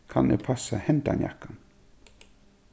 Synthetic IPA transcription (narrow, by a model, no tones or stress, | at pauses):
kʰanḛpʰasahɛnt̪a̰nja̰kːan